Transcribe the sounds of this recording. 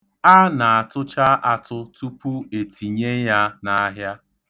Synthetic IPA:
a˦na˨a˨tʊ˦t͡ʃa˦ʔa˨tʊ˦tu˦pu˦e˨tʰi˨ɲe˦ja˦na˨a˦ɦja˦

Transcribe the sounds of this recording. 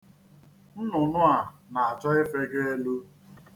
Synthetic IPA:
n̩˦nʊ˨nʊ˦a˨na˨a˨t͡ʃɔ˦ɪ˦fe˦ɡe˦e˦lu˦

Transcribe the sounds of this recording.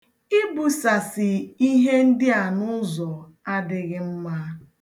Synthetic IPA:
i˦bu˨sa˨sɪ˨i˦ɦe˦n̩˦dɪ˦a˨nʊ˦zɔ˨ | a˦dɪ˦ɣɪ˦m̩˦ma˦

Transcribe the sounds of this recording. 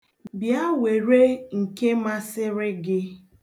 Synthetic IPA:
bja˦we˨ɾe˦ŋ̩˨ke˦ma˦sɪ˦ɾɪ˦ɡɪ˦

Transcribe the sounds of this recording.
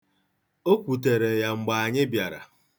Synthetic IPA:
o˦kʷu˨t̬e˨ɾe˨ja˨ŋ͡m̩˨ɡ͡ba˨a˨ɲɪ˦bja˨ɾa̰˨

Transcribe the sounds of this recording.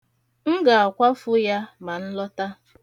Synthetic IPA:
ŋ̩˦ɡa˨a˨kʷa˦fʊ˦ja˦ma˨n̩˦lɔ˦ta˦

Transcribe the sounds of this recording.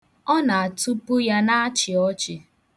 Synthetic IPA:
ɔ˦na˨a˨tu˦pʊ˦ja˦na˦a˦t͡ʃɪ˨ɔ˦t͡ʃɪ˨

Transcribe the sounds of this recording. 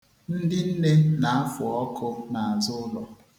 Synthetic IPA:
n̩˦dɪ˦n̩˦ne˦na˨a˦fʊ˨ɔ˦kʊ˦na˨a˨zʊ˦lɔ˨

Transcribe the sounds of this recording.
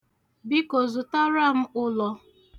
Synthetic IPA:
bi˦ko˨zʊ˨ta˦ɾa˦m̩˦ʊ˦lɔ˨

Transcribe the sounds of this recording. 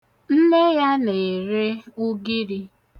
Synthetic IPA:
n̩˦ne˦ja˦ne˨ɾe˦u˦ɡi˦ɾi˦

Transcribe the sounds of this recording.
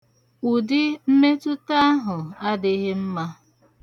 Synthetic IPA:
u˨dɪ˦m̩˦me˦tʊ˦ta˦a˦ɦʊ˨a˦dɪ˦ɦe˦m̩˦ma˦

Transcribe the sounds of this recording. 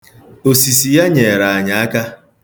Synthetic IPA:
o˨si˨si˨ja˦ɲe˨ɾa˨a˨ɲa˨a˦ka˦

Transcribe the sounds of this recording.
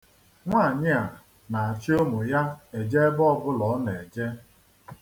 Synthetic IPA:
ŋʷa˦˨ɲɪ˦a˨ | na˨a˨t͡ʃi˦o˦mʊ˨ja˦e˨d͡ʒe˦e˦bɔ˦bʊ˦lɔ˨˦ne˨d͡ʒe˦

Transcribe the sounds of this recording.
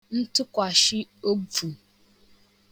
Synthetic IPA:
n̩˦tʊ˦kʷa˨ʃɪ˦o˦b͡vu˨

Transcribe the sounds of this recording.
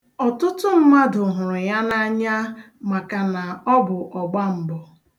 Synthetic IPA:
ɔ˨tʊ˦tʊ˦m̩˦ma˦dʊ˨ɦʊ˨ɾʊ˨ja˦na˦ɲa˦ | ma˨ka˨na˨ɔ˦bʊ˨ʔɔ˨ɡ͡ba˦m̩˦bɔ˨

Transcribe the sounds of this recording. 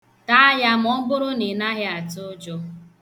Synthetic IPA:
ta˦a˦ja˦m̩˦ɔ˦ɡ͡bʊ˦ɾʊ˦ni˨na˦ɦɪ˦a˨tʊ˦d͡ʒɔ˦

